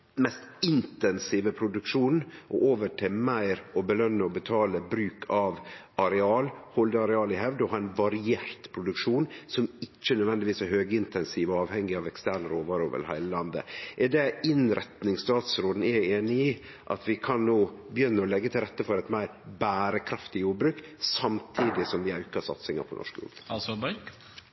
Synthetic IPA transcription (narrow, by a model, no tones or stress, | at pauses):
mɛst̪ɪnt̪ɛnsiːʋəpʰɾʊd̪ʉkʂuːnʔɔ̰ʔoːʋəʈʰɪlmæɪɾɔbəlœnːəɔbət̪ʰɑːləbɾʉːkʰɑʋ | ɑɾɛɑːlhɔld̪əɑɾɛɑːlɪɦɛʋd̪əɔhɑːɾɛnʋɑɾɪeːɾt̪pʰɾʊd̪ʉkʂuːnsɔmɪt͡ʃːənœd̪ʋɛnd̪ɪʋiːsæɾhøːɡəɪnt̪ɛnsiːʋəɑːʋhɛŋɡɪɑːʋɛkst̪æːɾɳɾoːʋɑːɾoːʋə̰lhæ̰ɪləlɑnd̪ə̰ʔɛɖɛɪnɾɛt̪nɪŋst̪ɑːt̪sɾoːd̪n̩ɛɾeːnɪi | ʔɑ̰t̪ʋɪkʰɑnnoːbjʏnːəɾɔlɛɡːət̪ʰɪlɾɛt̪ːəfɔɾɛt̪mæɪɾbæːɾəkʰɾɑft̪ɪjuːɾbɾʉːksɑmt̪ʰiːd̪ɪsɔmʋɪɑʉkɑsɑ̰t̪sɪŋɑ̰pʰɔ̰nɔ̰ʂkjṵːbsɑb